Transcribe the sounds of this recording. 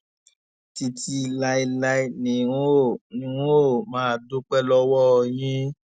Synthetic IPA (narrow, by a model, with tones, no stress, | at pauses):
ti˧ti˧la˧i˧la˦i˦nĩ˨ũ˦o˦˨nĩ˨˦ũ˦o˦˨mãː˨˦˨do˦k͡pɛ˦˨lɔ˦wɔ˦˧˨jĩ˦